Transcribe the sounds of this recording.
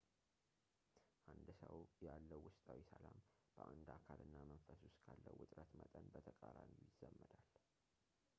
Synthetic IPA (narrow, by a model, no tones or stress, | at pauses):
ʔand̪səwjalːəwːʊst̪ʼawisəlam | b̥əʔand̪akʰalɨnːamənfəsʊskʰalːəwːɨt̪ʼɾət̪mət̪ʼənbət̪ʰəkʼaɾanjujɪzːəmːəd̪al